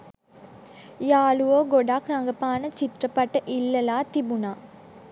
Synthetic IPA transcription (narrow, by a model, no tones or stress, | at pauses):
jaːluoːɡɔɖaːkɾaŋɡɐpːaːnɐt͡ʃɪt̪ɾɐpːɐʈːɐʔɪlːɐlaːt̪ibunaː